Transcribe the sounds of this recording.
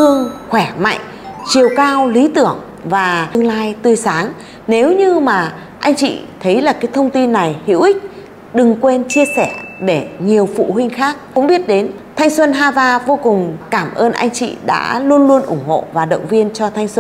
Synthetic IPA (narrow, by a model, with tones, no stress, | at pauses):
ɨ˧əŋxwɛ˧˩ma̰˧˨jŋ | t͡ɕi˨˩əwkaː˧wli˨˦t̪ɨ˧˩əŋ | vaː˨˩ɨ˧əŋlaː˧jt̪ɨ˧˩jsaː˨˦ŋ | ne˨˦wɲɨ˧maː˨˩ | ʔa˧jŋ̟t͡ɕḭ˧˨t̪ʰə˨˦jlaː˨˩kaː˨˦jt̪ʰə˧wŋ͡mt̪i˧nːa˨˩jhḭ˧˥wʔï˦˥k̟̚ | ɗɨ˨˩ŋkwe˧nt͡ɕi˧əsɛ˧˩ɗe˧˩ɲi˨˩əwfṵ˧˨hï˧ŋ̟xaː˦˥k̚kʊ̰˧˥ŋ͡mɓi˦˥ət̚ɗe˨˦n | t̪ʰa˧jŋ̟swə˧nɦaː˧zaː˧vo˧kʊ˨˩ŋ͡mkaː˧˩mʔəː˧nʔa̰˧jŋ̟t͡ɕḭ˧˨ɗa̰ː˧˥lu˧ənlu˧ənʔʊ˧˩ŋ͡mho̰˧˨vaː˨˩ɗə̰˧˨wŋ͡mvi˧ənt͡ɕɔ˧t̪ʰa˧jŋ̟swə˧n